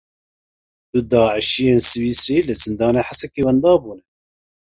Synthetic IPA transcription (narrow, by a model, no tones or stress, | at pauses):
d̪ud̪ɑːʕɨʃijeːnsɨwiːsɾiːlɨzɨnd̪ɑːneːħasɛkiːwɛnd̪ɑːbuːnɛ